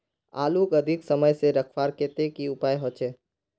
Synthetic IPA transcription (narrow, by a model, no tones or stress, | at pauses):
a̰ːlukəd̪ʱɪksəməjseɾəkʰʋaːɾket̪ekiʊpaːjɦot͡ʃʰeː